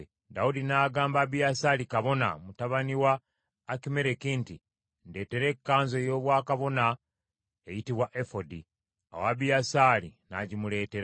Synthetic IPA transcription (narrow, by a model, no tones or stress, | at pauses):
daudinaːɡaːmbaːbijasaːlikaβo̞na̰mutaβaniwaː | kime̞ɾekinti | nde̞ːte̞ɾe̞kːaːnzo̞jo̞ːβwaːkaβo̞na | ejitiβwaʔefodi | a̰waːbijasaːlina̰ɟimule̞ːte̞ɾa